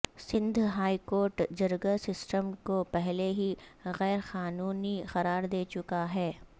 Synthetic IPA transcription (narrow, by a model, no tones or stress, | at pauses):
sɪ̃nd̪ʱɦaːikoːɾʈd͡ʒɐɾɡasɪsʈəmkopɛɦleɦiɣɛːɾxaːnuːnixɐɾaːɾd̪eːt͡ʃʊkaɦɛː